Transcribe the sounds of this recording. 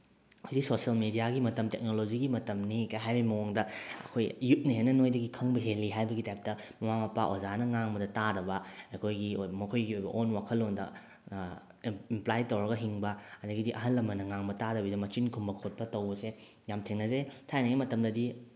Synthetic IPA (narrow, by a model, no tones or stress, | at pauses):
ojziksosiɐlmedijaɡimɐtɐmtek̚noloziɡimɐtɐmnikaɦajbɐimɐwoŋdɐɐ̰kʰojːut̚niɦenɐnojdɐɡikʰɐŋbɐɦeliɦajbɐɡitajp̚tɐmɐmamɐpaʔozanɐŋaŋbɐdɐtadɐbɐɐkʰojɡimɐkʰojɡiojbɐ̰ʔonwakʰɐlːondɐ̰ | implajtɐwɾɐɡɐɦiŋbɐɐdɐɡidiʔɐɦɐnlːɐmːɐnɐŋaŋbɐtadɐbidɐmɐt͡ʃinkʰumbɐkʰot̚pɐtɐwbɐse | jamtʰeŋnɐzetʰajnɐɡimɐtɐmdɐdi